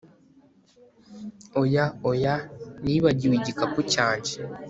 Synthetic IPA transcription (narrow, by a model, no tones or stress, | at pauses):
ojaojaniβaɟiwiɟikakucaːɲɟi̥